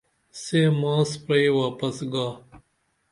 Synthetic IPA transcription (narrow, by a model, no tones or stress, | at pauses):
seːmaːspɾeiwaːpɐsɡaː